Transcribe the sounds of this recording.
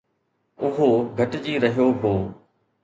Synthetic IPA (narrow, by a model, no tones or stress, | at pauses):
ʊɦoɡʱəʈd͡ʑiːɾɐɦijoːɦoː